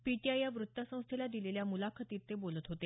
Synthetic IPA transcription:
piʈiajːaʋɾut̪ːasə̃w̃st̪ʰelad̪ileljamulakʰət̪iːɾt̪ebolət̪ɦot̪e

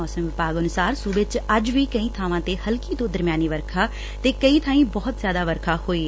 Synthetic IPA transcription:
ɔːsəmʋɪpaːɡənʊsaːɾsuːbet͡ʃəd͡ʒʋiːkəĩːt̪ʰaːʋãːt̪eːhəlkiːt̪õːd̪əɾmjaːniːʋəɾkʰaː | t̪eːkəĩːt̪ʰaːĩːbɔːt̪zjaːd̪aːʋəɾkʰaːhoːiː

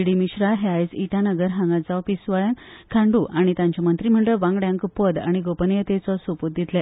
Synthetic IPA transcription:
iɽimiɕɾaɦeajsiʈãnəɡəɾɦãŋɡad͡zawpisʋəɭãnkʰãɳɖuʔaɽ̃it̪ãɲt͡ɕamənt̪ɾiːm̤əɳʈləʋãŋɡɽãŋkpəd̪a̰ɽ̃iɡopənjət̪et͡sɔsoput̪̚d̪it̪lə

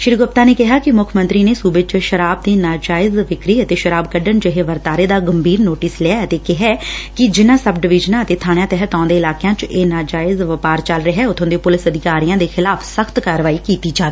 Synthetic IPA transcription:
ʃɪɾɡʊp̚t̪aːneːkɪɦaːkɪmʊkʰmə̃nt̪ɾiːneːsuːbət͡ʃʃəɾaːb̚d̪iːnaːd͡ʒaːɪzʋɪkɾiːət̪eːʃəɾaːbkəɖənd͡ʒɪɦeːʋəɾt̪aːɾeːd̪aːɡəmbʱiːɾnoːʈɪslɪaːət̪eːkɪɦɛːkɪd͡ʒɪnãːsəbɖɪʋɪd͡ʒnaːət̪eːt̪ʰaːñjãːt̪ɛɦət̪ãːd̪eːɪlaːkejãːt͡ʃeːnaːd͡ʒaːɪzʋəpaːɾt͡ʃəlɾəɦɛːʊt̪ʰõːd̪eːpʊlɪsəd̪ɪkaːɾijãːd̪eːxɪlaːfʰsəxt̪kaːɾʋaːiːkiːt̪iːd͡ʒaːʋeː

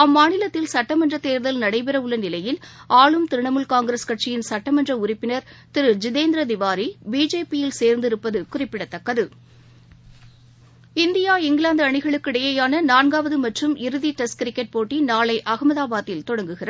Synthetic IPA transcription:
ɐmːaːnɪlɐt̪ːɪlsɐʈːɐmɐndrɐt̪ːeːɾðɐlnɐɽɐɪpɪɾɐʋɯɭːɐnɪlɐjɪlaːɭɯmt̪ɪɾɯɳɐmɯlkaːŋɡɾɐskɐʈ̚t͡ʃɪjɪnsɐʈːɐmɐndrɐʊrɪpːɪnɐɾt̪ɪɾɯd͡ʒɪðeːnd̪ɾɐd̪ɪʋaːɾibiːd͡ʒeːpijɪlseːɾnd̪ɪɾɯpːɐðɯkʊrɪpːɪɽɐt̪ːɐkːɐðɯ | ɪnd̪ɪjaːɪŋɡlaːnd̪ɐɳɪɣɐɭɯkːɪɽɐjɐjaːnɐnaːnɡaːʋɐðɯmɐʈrɯmɪɾɯðiʈɐskɾɪkːɐʈ̚poːʈːinaːlɐɪʔɐɣɐmɐðaːbaːt̪ːɪlt̪ɔɽɐŋɡɯɣɪrɐ

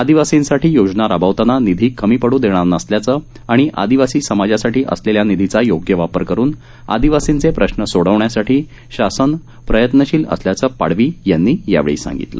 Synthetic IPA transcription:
ad̪iʋasĩnsaʈʰiːjod͡znaɾabʱaʋt̪ananid̪ʱiːkəmiːpəɽud̪eɽ̃aɾnəsljat͡səː | aɽ̃iʔa̰d̪iʋasiːsəmad͡ʑasaʈiːʔə̰sleljanid̪ʱit͡sajoɡjəʋapəɾkəɾuːn | a̰d̪iʋasĩnt͡sepɾəɕnəsoɽəʋɳjasaʈiː | ɕasən | pɾəjət̪nəɕiːlə̰sljat͡səːpa̰ɽʋiːjanːiːja̰ʋḛɭḭːsa̰ŋɡḭt̪lə̰

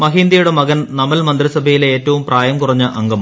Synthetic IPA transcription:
mɐɦiːnd̪ɐjuɽemɐɣɐnnɐmɐlmɐnd̪rɐsɐbʱɐjileːtːɐʋumpraːjɐmkurɐɲːɨʔɐŋɡɐm

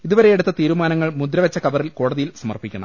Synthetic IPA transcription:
iðuʋɐɾe̞jeɽut̪ːɐt̪iːɾumaːnɐŋːɐɭmud̪ɾɐʋɐt͡ɕːɐkɐʋɐrilko̞ːɽɐðijilsɐmɐ̰rpikʲːunːɐ

